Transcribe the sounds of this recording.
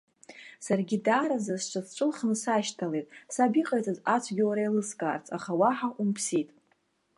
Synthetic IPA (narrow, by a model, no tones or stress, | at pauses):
sarɡʲidaːɾazasʈ͡ʂʷʰʼazʈ͡ʂʷʼɨlχnɨsaʃtʰale̞jtʼsabiqʼajt͡sʼɨzat͡ʃʷʰɡʲɪwaɾailɨskʼaːrt͡sʰʼaχawaħaʔumpʰsitʼ